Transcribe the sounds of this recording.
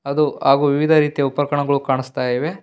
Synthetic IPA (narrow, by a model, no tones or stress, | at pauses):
ɐd̪uaːɡuːʋiʋid̪ʱɐɾiːt̪ijɐupːɐɾɐkɐɳɐɡɐɭukaːɳist̪aːjiʋe̞